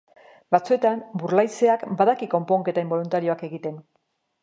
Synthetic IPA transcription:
bat͡sue̞t̪ambuɾlajse̞akbaðakiko̞mpoːŋke̞t̪aimbo̞lunt̪aɾio̞ake̞ɣit̪e̞n

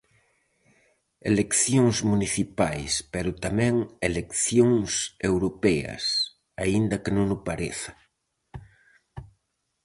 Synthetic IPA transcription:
ḛlekθjoŋzmuniθipajspeɾʊt̪amɛ̃ŋelekθjoŋsewɾopɛɐ̰s | aind̪ɐkenõŋʊpaɾeθɐ̥

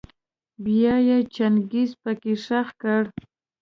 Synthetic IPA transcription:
bjɑjat͡ʃanɡispəkɪʂaxkaɽ

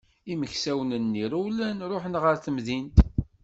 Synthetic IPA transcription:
iməçsæwnənːiɾuwlænɾˤoħənʁəɾθəmðint̪

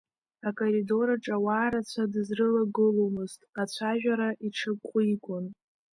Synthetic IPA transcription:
akʼorido̞ɾaʈ͡ʂʼawaːɾat͡ɕʷʰadɨzrɨlaɡɨlomɨztʼat͡ɕʷʰaʒᶣaɾaʔiʈ͡ʂʰɨkqʷʼʊikʷʼʊn

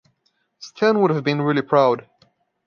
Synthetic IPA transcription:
stʰɛ̃nwʊɾəvbɨ̃nɹɪlipʰɹ̥aʊd̥

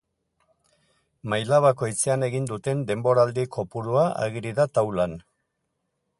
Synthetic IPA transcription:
majlaβ̞ako̞jt͡se̞ane̞ɣind̪ut̪e̞nd̪e̞mbo̞ɾald̪ikʰo̞puɾuaa̰ɣiɾiðat̪awlan

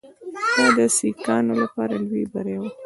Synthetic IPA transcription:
xɑd̪əsikɑnolapɑɾalwibaɾawa

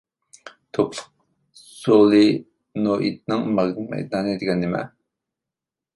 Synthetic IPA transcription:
t̪ʰoplˠʊq̚ | solˠɨ | noʔḭt̪̚nɨŋmɑʁd̪ɨmɛ̰jt̪̚nɑːnɨed̪ɪɡʲɛnd̪ɪmɛ̰

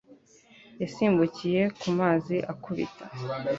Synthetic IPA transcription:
jasiːmbucije̞kumaːziʔakuβḭtʰa

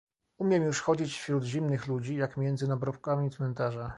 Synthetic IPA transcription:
umʲjɛmjuʂxɔd͡ʑit͡ɕfɕɾud̪ʑimnɘxlud͡ʑijakmʲjɛnd̪zɘnabɾɔpkamʲit̪smɛnt̪aʐa

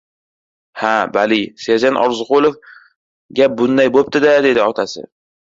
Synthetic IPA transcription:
habalisead͡ʒanʔɒ̰ɾzqolˠof | ɡʲabʊnd̪ajbop̚t̪ʰɪd̪ad̪e̞d̪ɪɒt̪ʰasɪ̰

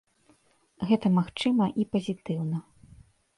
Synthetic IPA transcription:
ɣɛt̪ɐmaxt͡ʂɨmɐʔipɐzʲit̪ɨwnɐ

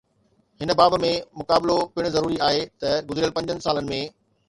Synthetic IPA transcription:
ɦɪnə̆baːbmẽmʊkaːblopɪɽ̃zɐɾuːɾiaːɦet̪ɐɡʊzɾiəlpɐ̃ɲd͡ʑənɪ̆saːlənɪ̆mẽ

